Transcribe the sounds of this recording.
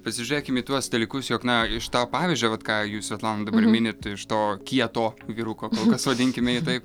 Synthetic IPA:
pɐsʲɪʒʲʊɾʲeːkʲɪmiːt̪uɔsd̪ɐlʲiːkʊsjoːknɐɪʃt̪ɑːpɑːʋʲɪzʲd͡ʒʲoːʋɐt̪kɑːjuːsʋʲɛtlˠɑːnod̪ɐbɐrmʲɪnʲɪt̪ɪʃt̪oːkʲiɛt̪oːʋʲiːɾukoːkoːlˠkɐsʋɐd̪ʲɪŋʲkʲɪmʲɛɪt̪ɐɪp

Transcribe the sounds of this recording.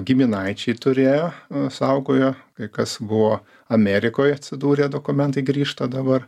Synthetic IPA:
ɡʲɪmʲɪnɐɪt͡ʃʲɛɪt̪ʊɾʲeːjoːsɐʊɡoːjoːkɐɪkɐsbʊʋoː | ɐmʲæːɾʲɪkoːjɐt̪ʲsʲɪd̪uːɾʲeːd̪oːkʊmʲɛnt̪ɐɪɡɾʲiːʃt̪ɐd̪ɐbɐr

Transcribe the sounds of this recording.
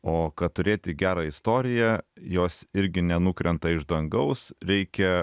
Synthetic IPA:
oːkɐtt̪ʊɾʲeːt̪ʲɪɡʲæːɾɑːɪst̪oːɾʲɪjɛjoːsɪɾʲɡʲɪnʲɛnukɾʲɛnt̪ɐɪʒd̪ɐŋɡɐʊsɾʲɛɪkʲɛ

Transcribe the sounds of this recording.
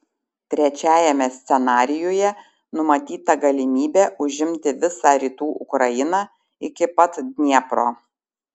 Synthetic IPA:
t̪ʲɾʲɛt͡ʃʲæːjɛmʲɛsʲt̪sʲɛnɑːɾʲɪjoːjɛ | nʊmɐt̪ʲiːt̪ɐɡɐlʲɪmʲiːbʲeːʔʊʒʲɪmʲt̪ʲɪʋʲɪsɑːɾʲiːt̪uːʔʊkɾɐjɪnɑː | ɪkʲɪpɐt̪d̪ʲnʲiɛpɾo̰ː

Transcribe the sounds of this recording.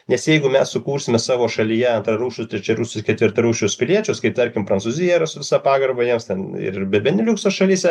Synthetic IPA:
nʲɛsjɛɪɡʊmʲɛssʊkuːɾʲsʲɪmʲɛsɑːʋoːʃɐlʲijɛɐnt̪ɾɐɾuːʃʲʊst̪ʲɾʲɛt͡ʃʲɛɾuːsʲʊskʲɛt̪ʋʲɪrt̪ɐɾuːʃʲʊspʲɪlʲiɛt͡ʃʲɛʊskɐɪp̚t̪ɐɾʲkʲɪmpɾɐnsuːzʲɪjɛɪɾɐsʊʋʲɪsɑpɑːɡɐrbɐjiɛmst̪ʲɛnɪ̰rbʲɛbʲɛnʲɪlʲuːksosʃɐlʲiːsʲɛ

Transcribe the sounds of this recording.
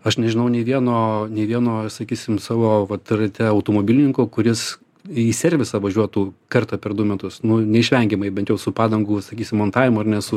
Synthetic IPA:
ɐʃnʲɛʒʲɪnɐʊnʲɛɪʋʲiɛnoːnʲɛɪʋʲiɛnoːsɐkʲiːsʲɪmsɑːʋoːʋɐt̪rɐt̪ʲɛɐʊt̪oːmoːbʲɪlʲɪnʲɪŋkoːkʊɾʲɪs | iːsʲɛrʲʋʲɪsɐʋɐʒʲuɔt̪uːkɐrt̪ɐpʲɛrd̪ʊmʲɛt̪ʊsnʊnʲɛɪʃʲʋʲɛŋʲɡʲɪmɐɪbʲɛnt̪jɛʊsʊpɑːd̪ɐŋɡuːsɐkʲiːsʲɪmmont̪ɑːʋʲɪmʊɐrnʲɛsʊ

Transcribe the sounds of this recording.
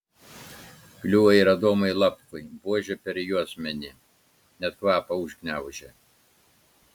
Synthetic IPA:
klʲuːʋɐɪɾɐd̪oːmɐɪlˠɐpkʊɪbuɔʒʲɛpʲɛɾjuɔsmʲɛnʲɪ | nʲɛt̪kʋɑːpɐʊʒʲɡnʲæˑʊʒʲɛ

